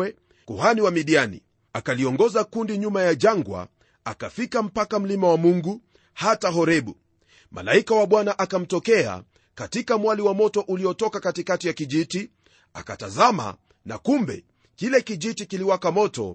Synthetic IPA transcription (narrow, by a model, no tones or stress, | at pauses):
ɛ | kuhaniwamiɗianḭ | akaliɔŋɡɔzakundiɲumajaʄaŋɡwa̰ | akafikam̩pakam̩limawamuŋɡu | hataɦɔɾɛɓu | mʔa̰laikawaɓwanaʔakam̩tɔkɛa̰ | katikamwaliwamɔtɔʔuliɔtɔkakatikatijakiʄiti | a̰katazama̰ | na̰kumbɛ̰ | kilɛkiʄitikiliwakamɔtɔ̰